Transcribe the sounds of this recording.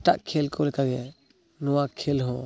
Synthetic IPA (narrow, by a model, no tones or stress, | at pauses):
taʔkʰɛlkʰɔlɛkaɡɛ | nɔwakʰɛlɦɔ̃